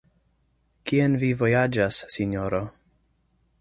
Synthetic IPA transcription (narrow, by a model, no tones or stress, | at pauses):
kienvivojad͡ʒasːinoɾo